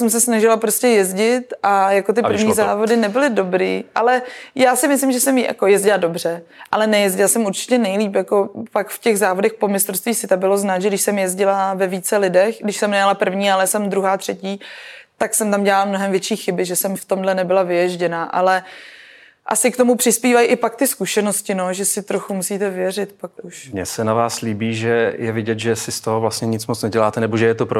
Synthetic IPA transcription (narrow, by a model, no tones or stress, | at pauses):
sɛmsɛsnaʒɪlapɾoscɛjɛzɟɪt̪ʔajako̞t̪ɪpɾ̩vɲiːzaːvo̞dɪnɛbɪlɪdo̞bɾḭːʔalɛjaːsɪmɪslɪmʒɛsɛmja̰kojɛzɟɪlado̞br̝ɛʔalɛnɛjɛzɟɪlasɛmuɾt͡ʃɪ̥cɛnɛjliːpjako̞pakfcɛɣzaːvo̞dɛxpo̞mɪst̪ɾofst̪viːsɪt̪abɪlo̞znaːt̪ʒɛdɪʃsɛmjɛzɟɪlavɛviːt͡sɛlɪdɛxɡdɪʃsɛmnɛɲalapr̩vɲiːalɛsɛmd̪ɾuɦaːt̪r̥ɛciːt̪aksɛmt̪amɟɛlaːlamno̞ɦɛmvjɛt͡ʃiːxɪbɪʒɛsɛmft̪o̞mdlɛnɛbɪlavɪjɛʒɟɛnaʔa̰lɛ | ʔa̰sɪkt̪o̞mupr̥ɪspiːvajʔɪpak̚t̪ɪskuʃɛnoscɪno̞ʒɛsɪt̪ɾoxumusiːt̪ɛvɪjɛrɪt̪pakuʃmɲɛsɛnavaːsliːbiːʒɛjɛvɪɟɛt̪ʒɛsɪst̪oɦovlastɲɛɲɪt͡smot͡snɛɟɛlaːt̪ɛnɛboʒɛjɛt̪opɾo